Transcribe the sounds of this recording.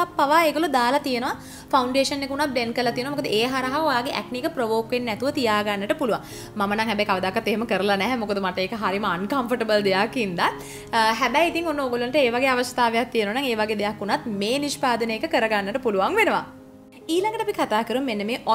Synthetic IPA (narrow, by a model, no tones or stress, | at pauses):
apːaʋaːeːɡolud̪aːlat̪ijenəʋa | fʰauɳɖeːʂənːekunat̪̚ɖenkəɾlat̪ienʋamokəd̪əʔeːɦaɾɐɦaojaːɡeʔɛk̚nikəpɾoʋoːkʋenːɛt̪uʋət̪ijaːɡanːəʈəpuluʋa̰ŋ | mamənaŋɦɛbɛjkaʋəd̪aːkːat̪ːeɦeməkəɾəlanɛɦɛmokəd̪əmaʈəeːkəɦaɾiməankɐmpəʈɐbəld̪ejakːind̪a | ɦæbɛjit̪iŋonːəoɡoluənəʈəeːʋaɡeːaʋəst̪aːʋejak̚t̪ijenəʋanaŋeːʋaɡeːd̪ejakːunat̪̚meːniʃpaːd̪ənəːkəkəɾəɡanːəʈəpuluʋaŋʋenəʋa̰ | iːlaŋɡəʈəapikʰat̪aːkəɾummenːəmeːʔɔ